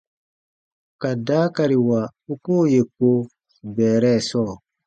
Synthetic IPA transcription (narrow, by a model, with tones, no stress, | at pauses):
ka˨daː˦ka˨ɾi˨wa˨u˦ko˦˨je˨ko˦ | bɛː˨ɾɛ˦˨sɔː˦˨